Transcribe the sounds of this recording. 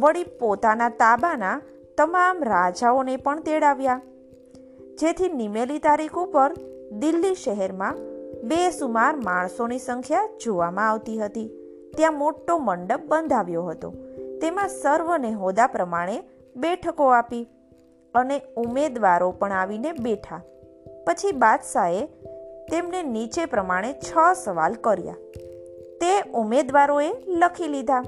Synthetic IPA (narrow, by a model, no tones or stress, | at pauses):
ʋəɽipot̪anat̪abana | t̪əmamɾad͡ʒaonepəɳt̪eɽaʋja | d͡ʒet̪ʰinimelit̪aɾikʰupəɾd̪ilːiʃəɦɛɾmãbesumaɾmaɳ̃sonisəŋkʰjad͡ʒoʋamãaʋt̪iɦət̪i | t̪jãmoʈːoməɳɖəb̚bənd̪ʱaʋjoɦət̪o̰t̪emãsəɾʋəneɦod̪apɾəmaɽ̃e | beʈʰəkoapi | əneumed̪ʋaɾopəɳaʋinebeʈʰa | pət͡ʃʰibad̪ʃaet̪emnenit͡ʃepɾəmaɽ̃et͡ʃʰəsəʋa̰lkəɾja̰ | t̪eumed̪ʋaɾoeləkʰilid̪ʱa